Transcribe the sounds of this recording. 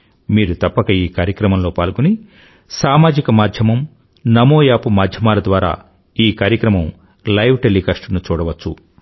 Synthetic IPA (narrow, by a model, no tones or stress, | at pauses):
miːɾut̪ɐpːɐkɐiːkaːɾjɐkɾɐmɐmlo̞ːpaːlkuni | saːmaːd͡ʒikɐmaːd̪ʱjɐmɐm | nɐmoːjaːpumaːd̪ʱjɐmaːlɐd̪ʋaːɾa̰ː | iːkaːɾjɐkɾɐmɐm | lɐjʋʈelːikɐʂʈɐnut͡ʃuːɽɐʋɐt͡ʃːṵ